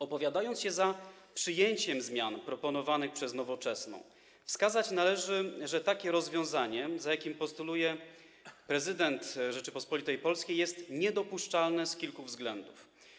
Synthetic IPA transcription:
ɔpɔvʲjad̪ajɔnt̪sɕɛza | pʂɘjeɲt͡ɕɛmzmʲjanpɾɔpɔnɔvanɘxpʂɛznɔvɔt͡ʂɛsnɔ̰̃w̃ | fskazat͡ɕnalɛʐɘʐɛt̪akʲɛɾɔzvʲjɔ̃w̃zaɲɛzajakʲimpɔst̪ulujɛ | pɾɛzɘd̪ɛnt̪ʐɛt͡ʂɘpɔspɔlʲit̪ɛjpɔlskʲejɛst̪ɲɛd̪ɔpuʂt͡ʂalnɛskʲilkuvzɡlɛnd̪uf

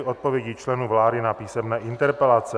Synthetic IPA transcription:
ʔot̪̚po̞vjɛɟit͡ʃlɛnuvlaːdɪnapiːsɛmnɛːʔɪnt̪ɛɾpɛlat͡sɛ

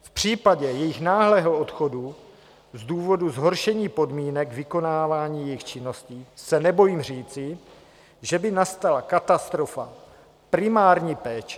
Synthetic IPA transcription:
fpr̝̥iːpaɟɛjɛjɪxnaːɦlɛːɦoot̪xo̞du | zduːvo̞duzɦo̞ɾʃɛɲiːpo̞dmiːnɛkvɪko̞naːvaːɲiːjɛjɪxt͡ʃɪno̞scisɛnɛbo̞jiːmr̝iːt͡sɪ | ʒɛbɪnast̪alakat̪ast̪ɾo̞fa̰ | pɾɪmaːɾɲiːpɛːt͡ʃ

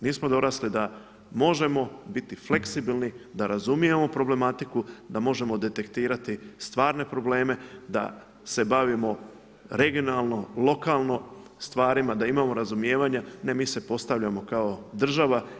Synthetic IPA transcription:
niːsmo̞d̪o̞ɾaslid̪a | mo̞ʒe̞mo̞bit̪ifle̞ksibilˠnid̪aɾʔazumijemo̞pɾo̞ble̞mat̪ikud̪amo̞ʒe̞mo̞d̪e̞t̪e̞kt̪iːɾat̪ist̪ʋaːɾne̞pɾo̞ble̞ːme̞d̪a̰ | se̞baʋimo̞ | ɾe̞ɡio̞nalˠno̞lo̞kalˠno̞st̪ʋaːɾimad̪aimaːmo̞ɾazumje̞ːʋaɲane̞miːse̞po̞st̪aʋʎamo̞kao̞d̪r̩ʒaʋa

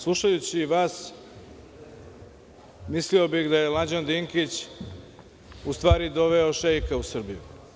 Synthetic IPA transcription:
slˠuʃajut͡ɕiʋaːs | mislio̞bixd̪aje̞lˠad͡ʑond̪iŋkit͡ɕ | ust̪ʋaːɾid̪o̞ʋe̞o̞ʃejkausr̩bijṵ

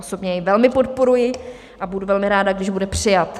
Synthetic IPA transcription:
oso̞bɲɛjɪvɛlmɪpo̞t̪̚po̞ɾujɪ | ʔabuduvɛlmɪɾaːdaɡdɪʒbudɛpr̝̥ɪjat̪

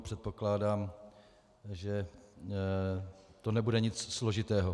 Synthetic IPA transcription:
pr̥ɛt̪̚po̞klaːdaːm | ʒɛ | t̪onɛbudɛɲɪt͡sslo̞ʒɪt̪ɛːɦo

